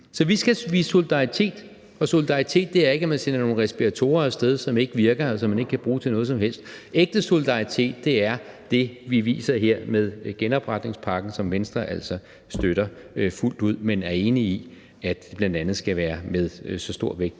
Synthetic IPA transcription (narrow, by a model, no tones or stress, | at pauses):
sɒ̽ʋisɡ̥æʋḭːso̝lid̥ɑ̈it͡sʰe̝̰ːd̥ | ɒ̽so̝lid̥ɑ̈it͡sʰe̝̰ːd̥̚ːe̝æɐe̝ɡ̥æmænsenɐno̝ːn̩ʁɛsb̥iʁæt͡sʰo̝̰ːɐsd̥eð̞ˠsɒ̽me̝ɡ̥əʋiɐɡ̥ɐsɒ̽mːæne̝ɡ̥əkʰæb̥ʁuːt͡sʰe̝nɔ̽ːðˠsɒ̽mɦel̰sd̥eɡ̥̚d̥əso̝lid̥ɑ̈it͡sʰe̝̰ːd̥̚ːe̝æɐd̥e̝ʋiʋḭːsɐɦeɐ̰með̞ˠɡ̥enɒ̽b̥ʁad̥ne̝ŋspʰɑ̈ɡ̥n̩sɒ̽mʋensd̥ʁɐʔæl̰sɒ̽ | sd̥øɾ̥ɐ | ful̰d̥uð̞̰ˠmenæɐe̝ːnii | æd̥eb̥lænd̥ænð̞̩ˠsɡ̥æʋæːɐmeð̞ˠsɒ̽sd̥o̝ɐ̰ʋeɡ̥̚d̥